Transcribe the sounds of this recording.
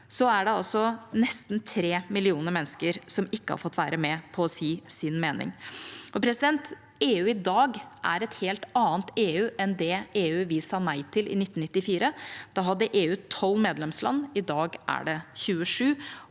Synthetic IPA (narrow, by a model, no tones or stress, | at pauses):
sɔæɖɛɑlsɔnɛst̪n̩t̪ʰɾeːmɪlɪuːnəɾmɛnːskəɾsɔmɪkːəhɑ̰ɾfɔt̪ːʋæ̰ːɾəmɛpʰɔːsiːsɪnmeːnɪ̰ŋʔɔpʰɾɛsɪd̪ɛnt̪ | eːʉːɪd̪ɑːɡʔæ̰ɾɛt̪heːlt̪ɑːənt̪eːʉːʔɛnd̪ɛeːʉːʋɪsɑːnæɪt̪ʰɪlʔɪ̰nɪt̪ːn̩ɪt̪ːɪfiːɾəd̪̥ɑɦɑd̪ːəʔeːʉːt̪ʰɔlːmeːd̪lɛmslɑ̰nːɪd̪ɑːɡʔæ̰ɖɛçʉːəʂʉː